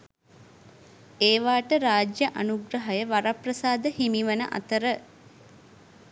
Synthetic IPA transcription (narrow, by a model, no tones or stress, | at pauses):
eːʋaːʈəɾaːd͡ʒjəʔanuɡɾəɦajəʋaɾaprəsaːd̪əhimiʋənəʔa̰t̪əɾə